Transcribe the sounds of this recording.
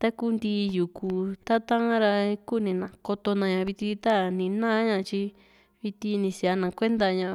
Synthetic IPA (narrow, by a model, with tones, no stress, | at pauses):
t̪a˦ku˦˧nd̪i˧ju˨ku˧t̪a˦t̪ã˦ɾa˧ku˦˨nĩ˧nã˨ko˧t̪o˧nã˧ɲã˨˧βi˧t̪i˧t̪a˦nĩ˨˦nã˦ɲã˧t͡ʃi˧ | βi˧t̪i˧nĩ˧si˧˨a˧nã˨kʷe˦nd̪a˧ɲã˨˧